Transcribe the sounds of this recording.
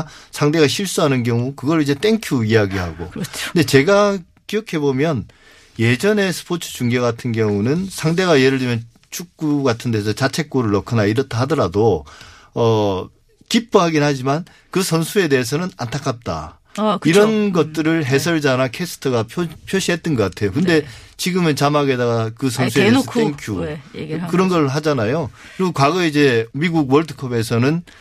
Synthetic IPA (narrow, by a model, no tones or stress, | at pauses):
sʰaŋde̞ɣaɕʰiɭs͈uɦanɯnkjʌŋukɯɡʌɾid͡ʑe̞t͈e̞ŋkʰuiaɡiɦa̰ɡo̰nde̞t͡ɕe̞ɡa | kiʌkʰe̞bomjʌn | je̞d͡ʑʌne̞sʰɯ̥pʰot͡ɕʰɯ̥t͡ɕuŋɡeɡatʰɯnɡjʌŋunɯnsʰaŋde̞ɡajeɾɯɭːimjʌn | t͡ɕʰuk̚k͈uɡatʰɯnde̞ːs̬ʰʌt͡ɕat͡ɕʰe̞k̚k͈oɾɯɭːʌkʰɯnaiɾʌtʰeɦadʌɾado | ʌ | kip͈̚uɦaɡinhad͡ʑiman | kɯsʰʌnsʰue̞de̞ɦːs̬ʰʌnɯnantʰak͈ʰap̚t͈a̰ | kiɾʌnɡʌt̚t͈ɯɾɯɭɦe̞sʰʌɭd͡ʑanakʰesʰɯ̥tʰʌɡapʰopʰjoɕʰiɦe̞t̚t͈ɯnɡʌk͈atʰe̞jokɯnde̞t͡ɕiɡɯmɯnt͡ɕamaɡedaɡakɯs̬ʰʌnsʰueesʰeŋkʰju | kɯɾʌnɡʌɾɭɦad͡ʑanajokɯɾiɡokwaɡʌid͡ʑe̞miɡuɡwʌɭtʰɯkʰʌbe̞sʰʌnɯn